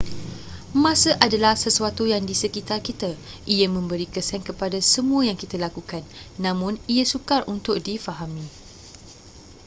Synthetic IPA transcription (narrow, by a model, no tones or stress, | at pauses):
mãsəʔadalahsəsuat̪ujaŋdisəkit̪arkit̪a | ʔiəmə̃mbəɾikəsɛŋkəpadasəmũəjaŋkit̪alakukanːãmʊ̃niəsukarunt̪ʊk̚difaɦamĩ